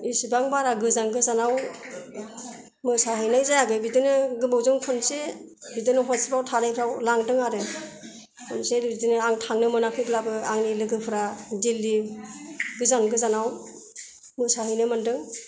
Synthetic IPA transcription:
isibaŋbaɾaɡɯzanɡɯzanaw | mɯsaɦɯjnajzajaɡɯbidɯnɯɡɯbɯwzɯŋkʰunse | bidɯnɯɦɔsibawtʰaɾajpʰɾawlaŋdɯŋaɾɯ | kʰɔnsebidɯnɯaŋtʰaŋnɯmɯnakʰɯjblabɯaŋnilɯɡɯpʰɯɾadilːi | ɡɯzanɡɯzanaw | mɯsaɦɯjnɯmandɯŋ

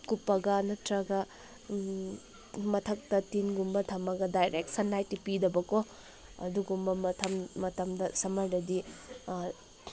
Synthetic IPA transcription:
kupːɐɡɐnɐtɾɐɡɐ | mɐtʰɐk̚tɐtinɡumbɐtʰɐmɐɡɐdajɾʔek̚sɐnlajtipidɐbɐko | ɐ̰duɡumbɐmɐtʰɐmːɐtɐmdɐsɐmɐɾdɐdi

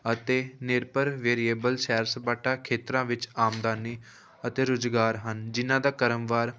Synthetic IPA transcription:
ət̪eːnɪɾpəɾʋeːɾieːbəlʃɛːɾsəbaːʈaːkʰeːt̪ɾãːʋɪt͡ʃaːmd̪aːniː | ət̪eːɾʊd͡ʒɡaːɾɦənd͡ʒɪnãːd̪aːkəɾəmʋaːɾ

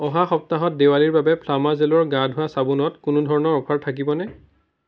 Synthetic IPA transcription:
ɔɦaxɔp̚taɦɔt̚dewaliɹbabɛpʰlamazelɔɹɡãdʱʊwasabʊnɔtkʊnʊdʱɔɹɔnɔɹɔpʰaɹtʰak̬ibɔnɛ

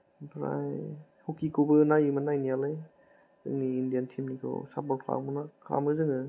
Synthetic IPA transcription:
bɾa̰j | hokikʰobɯnajɯmanajnijalɯj | zɯ̰ŋniːndijantʰimnikʰɯ̰wsap̚bɔkʰla̰mɯnakʰɾa̰mɯzɯŋɯ

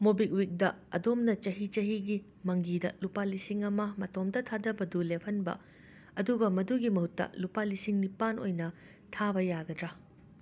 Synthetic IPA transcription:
mobik̚wik̚dɐɐ̰domnɐt͡ʃɐɦit͡ʃɐɦiɡi | mɐŋɡidɐ̰lupalisiŋɐmɐmɐtomdɐtʰadɐbɐdulepʰɐnbɐ̰ | ɐduɡɐmɐduɡimɐɦhutːɐ̰lupalisiŋnipano̰jnɐ | tʰabɐjaɡɐdɾɐ

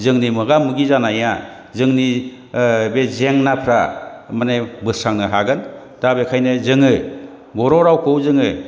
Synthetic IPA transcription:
zɯŋnimɯɡamɯɡizanaja | zɯŋni | bezeŋnapʰɾamanebɯsɾaŋnɯɦaɡɯn | d̥abekʰajnɯzɯŋɯ | bɔɾɔɾawkʰɯwzɯŋɯ

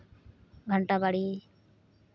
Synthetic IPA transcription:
ɡʱəɳʈabaɽi

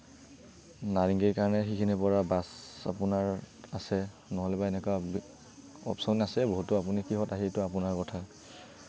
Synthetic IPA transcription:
naɹiŋɡikaɹɔnɛxikʰinipɔɹabasa̰punaɹ | asɛ | nɔɦɔlɛbaɛnɛkwab | ɔ̰psɔnasɛboɦutːʊapunikiɦɔtaɦitʊapʊnaɹkɔtʰa

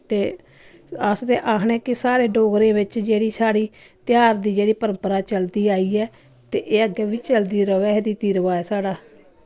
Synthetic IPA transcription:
t̪eː | əsd̪eːʔaːkʰɳeːkɪsaːɾeːɖoːɡɾẽːʋɪt͡ʃd͡ʒeːɽiːsaːɽiːt̪jaːɾd̪iːd͡ʒeːɽiːpəɾə̃mpəɾaːt͡ʃəld̪iːaːiːɛː | t̪eːʔeːəɡɛːʋiːt͡ʃəld̪iːɾəʋɛːd̪iːt̪iːɾəʋaːɛːsaːɽaː

